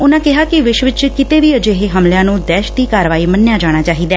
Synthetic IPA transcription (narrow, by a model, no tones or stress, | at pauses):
ʊnãːkɪɦaːkɪʋɪʃʋɪt͡ʃkɪt̪eːʋiːəd͡ʒeːɦeɦəmljãːnũːd̪ɛːʃd̪iːkaːɾʋaːiːmənːɪjaːd͡ʒaːɽ̃aːt͡ʃaːɦiːd̪ɛː